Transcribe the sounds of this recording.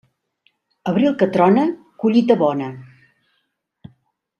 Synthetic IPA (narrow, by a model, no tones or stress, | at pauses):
əβɾilˠkət̪ɾɔnə | kuʎit̪əβɔnə